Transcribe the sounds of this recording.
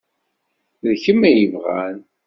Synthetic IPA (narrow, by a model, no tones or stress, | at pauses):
ðçəmːæjəvʁæ̰n